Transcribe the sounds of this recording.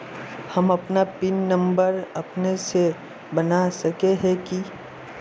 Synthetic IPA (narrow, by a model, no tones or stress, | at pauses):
hɐmɐpnapɪnːɐ̃mbəɾɐpnese | bɐnasɐkeɦɛ̃ki